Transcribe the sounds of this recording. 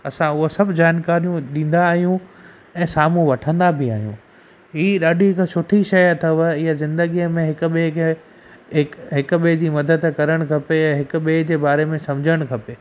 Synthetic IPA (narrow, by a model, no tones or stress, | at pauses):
ɐsãʊɦosɐbʱd͡ʑaːnkaːɾijũɗĩːnd̪aːɦijũ | ɛ̃ːsaːmũʋɐʈʰə̃nd̪abʱɪa̰ːɦijṵ̃ː | ɦiːɗaːɖʱiɦɪksʊʈʰiʃɐjt̪ʰɐʋəɪɦazɪ̃nd̪əɡijəmẽɦɪkʊ̆ɓekʰe | ɦɪkɦɪkɓed͡ʑiːmɐd̪əd̪kɐɾəɽ̃kʰɐpeãɦɪkʊɓeɦd͡ʑeːbaːɾemẽsɐ̃md͡ʑʱəɽ̃kʰɐpeː